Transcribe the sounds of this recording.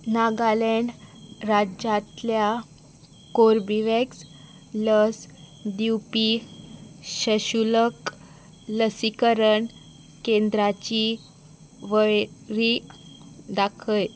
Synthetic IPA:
naɡaleɳɖɾad͡ʑãt̪lja | koɾbiʋeks | ləs | d̪iwpi | ɕəɕulək | ləsikəɾəɳ | kẽnd̪ɾat͡ɕi | ʋəɭɾi | d̪akʰəj

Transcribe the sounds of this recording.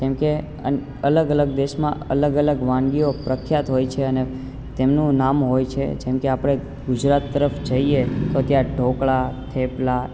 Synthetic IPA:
kɛmke | ə | ələɡələɡd̪eʃmãə̰ləɡələɡʋãŋɡiopɾəkʰːjat̪ɦojt͡ʃʰeəne | t̪emnũnamɦojt͡ʃʰḛd͡ʒɛ̃mkeapɽ̃e | ɡud͡ʒɾat̪ːəɾəfd͡ʒəiet̪ot̪jãɖʱokɭat̪ʰepla

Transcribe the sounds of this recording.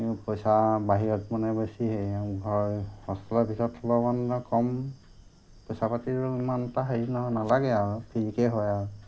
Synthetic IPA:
pɔjsabaɦiɹɔt̚mɔnɛbɔsiɦejabʱɔjhɔspɔlɔbʱitɔtʰːɔlɔmanɔkɔm | pɔjsapatiɹuimanɛtaɦainɔnalaɡɛaɹupʰiɹikɛɦɔjaɹu

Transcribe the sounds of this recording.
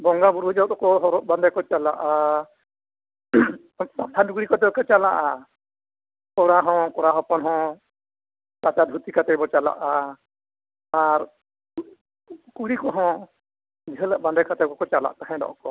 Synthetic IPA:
bɔŋɡabuɾud͡ʒɔt̪ɔkɔɦɔɾɔʔ̚band̪ajkɔt͡ʃalaʔa | t̪at̪ʰaduɡɾikɔt̪ɛbɔkɔt͡ʃalaʔa | kɔɾaɦɔ̃kɔɾaɦɔpɔnɦɔ̃ | t̪at͡ʃad̪ʱut̪ikat̪ɛbɔt͡ʃala̰ʔa | aɾ | kuɾikɔɦɔ̃ | d͡ʒɦələʔband̪ɛjkat̪ɛkɔkɔt͡ʃala̰ʔt̪aɦɛ̃dɔ̰ʔɔ̰kɔ

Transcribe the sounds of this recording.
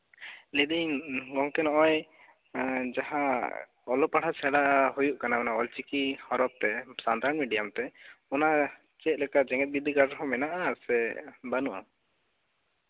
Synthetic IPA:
lɛd̪iɲɡɔŋkɛnɔʔɔj | d͡ʒaɦã | ɔlɔpaɽat͡ʃʰɛɽaʔɦujuʔkanaɔnaɔlt͡ʃikihɔɾɔp̚t̪ɛsant̪aɾɔnmiɖijamt̪ɛɔna | t͡ʃɛt̪̚lɛkaʔd͡ʒɛŋɛt̪̚bid̪ʱiɡaɾɦɔ̃mɛnaʔasɛbanuʔa̰

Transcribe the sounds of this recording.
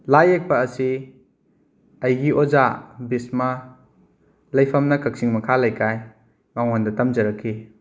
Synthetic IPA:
lajek̚pɐːsi | ɐjɡiʔɔzabismɐ | lɐjpʰɐmnɐkʰɐk̚siŋmɐkʰalajkʰaj | maŋandɐtɐmd͡ʒɐɾɐkʰːi

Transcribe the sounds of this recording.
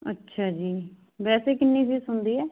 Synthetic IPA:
ətːʃʰaːd͡ʒiː | bɛːseːkɪnːiːbiːsʊnd̪iːɛː

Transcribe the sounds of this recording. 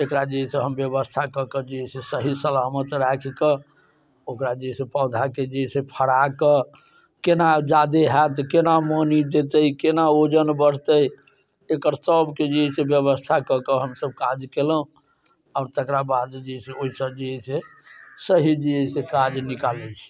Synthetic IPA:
ekɾad͡ʒiɛseɦəmbjəbəst̪ʰakəkəd͡ʒiɛsesəɦisəlamət̪ɾakʰkə | okɾad͡ʒisepəwd̪ʱaked͡ʒisepʰəɽakə | kenad͡ʒad̪eɦat̪kenamənid̪et̪əikenaod͡ʒənbəɽ̤t̪əj | ekəɾsəbked͡ʒiɛsebjəbəst̪ʰakəkəɦəmsəb̚kad͡ʒkeləũ | aʊɾt̪əkɾabad̪d͡ʒeseoɦisəb̚d͡ʒiɛsesəɦid͡ʒiɛsekad͡ʒnikalɛt͡ʃʰi̥

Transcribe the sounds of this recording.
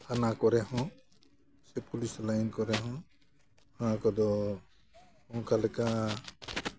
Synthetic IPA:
hanakɔɾɛhɔ̃ | sɛpulislajnkɔɾɛɦɔ̃ | hakɔd̪ɔ | hɔŋkʰalɛka

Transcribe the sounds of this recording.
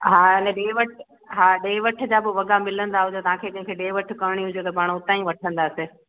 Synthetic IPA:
ɦaːnɛ̃ɗeːʋɐʈʰ | ɦaːɗeːʋɐʈʰə̆d͡ʑabɪʋɐɡamɪlə̃nd̪aɦʊd͡ʑot̪ɐʋ̤ãkʰeːkɐ̃ɦɪ̃ŋkʰeɗeːʋɐʈʰkɐʋɽ̃iɦʊ̃d͡ʑot̪ɐpaːɽ̃ʊt̪ãːĩʋɐʈʰə̃nd̪aːse

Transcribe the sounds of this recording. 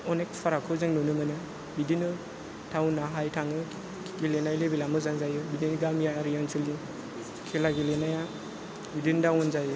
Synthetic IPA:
ɔnek̚pʰaɾakʰɯzɯŋnunɯmɯnɯ | bidinɯ | tʰawnaɦajtʰaŋɯ | ɡilenajlebilamɯzaŋzajɯbidinɯɡamjaɾijansʰɯli | kʰelaɡilenaja | bidindawɔnzajɯ

